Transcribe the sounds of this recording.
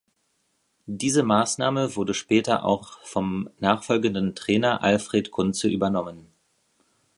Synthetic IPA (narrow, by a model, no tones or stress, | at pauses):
d̥iːzəmaːsnaːməvʊɐdəʃpɛːtɐ̰ʔa̰ʊχfɔmnaːχfɔlɡəndn̩tʁ̥ɛːnɐʔalfʁ̥eːtkʰʊnt͡səʔyːbɐnɔmən